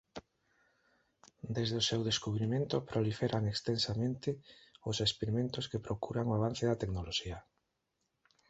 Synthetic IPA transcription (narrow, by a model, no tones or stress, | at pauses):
d̪ezðeʊsewðeskuβɾimẽnt̪ʊpɾolifeɾʔaŋekst̪ensamẽnt̪ɪʊsespeɾimẽnt̪ʊskepɾokuɾaŋoaβan̟θeðat̪eknoloʃia